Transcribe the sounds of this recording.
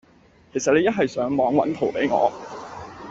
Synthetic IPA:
kʰe˨˩jsɐ˨t̚le˨˧jɐ˥t̚ɦɐ˨jsœː˨˥ŋmɔː˨˧˥ŋwɐ̰˨˥nt̪ʰo˨˩wpe˨˥jŋɔ̰ː˨˧

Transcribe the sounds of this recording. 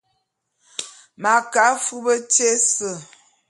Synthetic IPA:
ma˨ka˨˦fu˦bə˦t͡ʃe˦sə˨

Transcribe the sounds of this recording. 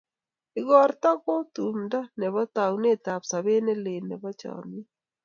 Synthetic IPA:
ɪ˨ɣɔ˨ɾta˦ko˦tu˨mda˦nɛ˨βɔ˦ta˨wne˦˨ta˨psa˨βe˦ne˦le˨nɛ˨βɔ˦t͡ʃɔ̰˨mi˦

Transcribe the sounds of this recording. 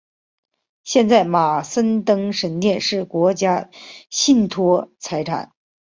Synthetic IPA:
ɕjɛ˥˧nt͡sa˥˩ɪma˨˩sə˥nt̪ɤ˥ŋʂə˧˥nt̪jɛ˥˧nʂɻ̩˥˩kwɔ˧˥t͡ɕja˥ɕi˥˩nt̪ʰwɔ˥t͡sʰa˧˥ɪʈ͡ʂʰa̰˨˩˦n

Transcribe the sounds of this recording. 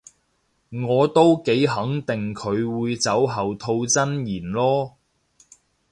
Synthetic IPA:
ŋɔː˨˧t̪o˥wke˨˥jɦɐ˨˥ŋt̪ɪ˨ŋkʰɵ˨˧ɥwuː˨˧jt͡sɐ˨˥wɦɐ˨wt̪ʰo˧wt͡sɐ˥njiː˨˩nlɔː˥

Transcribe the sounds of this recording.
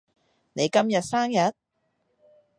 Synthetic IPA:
ne˨˧jkɐ˥mjɐ˨t̚saː˥ŋjɐ˨t̚

